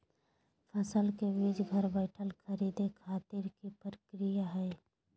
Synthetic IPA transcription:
pʰəsəlkeʋid͡ʒɡʱɐɾbɛːʈʰəlkʰɐɾiːd̪ekʰaːt̪ɪɾkipɾəkɾɪjaɦɛː

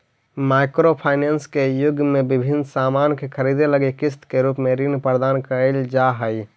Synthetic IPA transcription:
maɪkɾopʰaɪnenskejʊɡmebɪbʱɪnːsaːmaːnkekʰəɾid̪eləɡekɪst̪keɾuːpmẽɾinpɾəɾd̪aːnkəɾeld͡ʒaɦəj

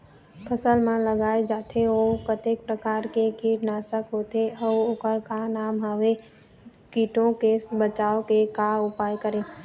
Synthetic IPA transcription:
pʰəsəlmẽləɡaːed͡ʒaːt̪ʰeokət̪ek̚pɾəkaːɾkekiːʈnaːsəkɦoːt̪eɔːoːkəɾkanaːmɦawe | kiːʈõkesbət͡ʃaːokekaʊpaːjkəɾẽː

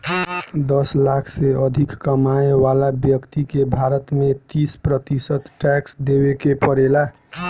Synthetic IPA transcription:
d̪əslakʰseəd̪ʱikːəmajewalabjəkt̪ikebʱaɾət̪met̪ispɾət̪isət̪ʈɛksd̪ewekepəɾela

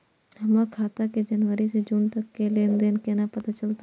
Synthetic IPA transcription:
ɦɐmakʰaːt̪aked͡ʒənwəɾised͡ʒunt̪əkːeleːnd̪eːnkenapət̪at͡ʃəlt̪a

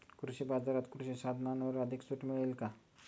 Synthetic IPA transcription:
kɾuʃibad͡zaɾat̪kɾuʃisad̪nanəɾad̪ʱiksuʈmeelka

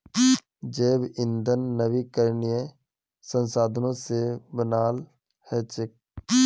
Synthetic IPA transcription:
d͡ʒeːbɪ̃nd̪ʱənːəbikəɾnɪjə | sə̃nsaːd̪ʱnõsebənaːl | hɛːt͡ʃɪk̚

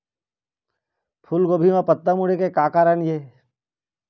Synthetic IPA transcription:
pʰʊlɡoːbʱiʋãpət̪ːamuɽekekaːkaːɾənjeː

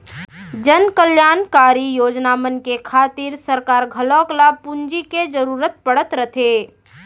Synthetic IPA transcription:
d͡ʒənkəljaːnkaːɾijoːd͡ʒnamənkekʰaːt̪ɪɾsəɾkaːɾɡʱɐlɔ̃ːklapʊnd͡ʒiked͡ʒəɾuːɾət̪̚pəɽət̪ɾət̪ʰeː

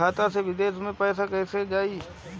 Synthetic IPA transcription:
aːt̪ãseʋɪd̪eːsmẽpɛːsakɛɪsed͡ʒaːiː

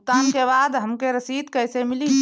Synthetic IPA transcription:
t̪aːnkeβaːd̪ɦəmkeɾəsiːd̪kəɪsemɪli

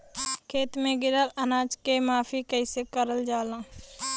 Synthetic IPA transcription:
kʰeːt̪mẽɡɪɾəlɐnaːd͡ʒkemaːfʰikəɪsekəɾəld͡ʒaːlãː

